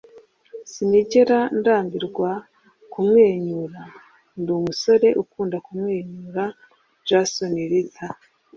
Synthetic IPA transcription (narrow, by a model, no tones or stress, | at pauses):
simiɟe̞ɾandaːmbiɾɡwa | kumŋe̞ːɲuːɾa | nduːmuso̞ɾe̞ʔukuːndakumŋeːɲuɾa | d͡ʒasoniɾitʰa